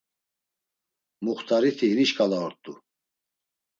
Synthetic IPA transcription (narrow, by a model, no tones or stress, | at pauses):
muχt̪ʰʼaɾit̪ʰiɦiniʃkʼalaɔɾt̪ʼu